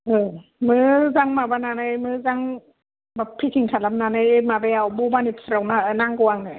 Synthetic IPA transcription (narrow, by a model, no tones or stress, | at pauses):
ʔɯːmɯːzaŋmabanaːnajmɯːzaŋ | bapʰːikʰiŋkʰalamnanajemabɛawbobanitsɾawnanaŋkuaŋna